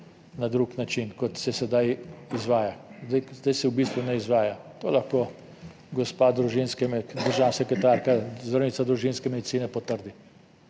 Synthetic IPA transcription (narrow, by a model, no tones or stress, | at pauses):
nad̪ɾuːknat͡ʃinkɔt̪sɛsɛd̪ajizʋaːjazd̪ajzd̪ajsɛwbiːst̪ʋunɛizʋaːjat̪oːlaxkoː | ɡɔspaːd̪ɾuʒinskɛmd̪əɾʒaːnasɛkɾɛt̪aːɾkazɾɔnitsad̪ɾuʒinskɛmed̪itsiːnɛpɔt̪əɾd̪i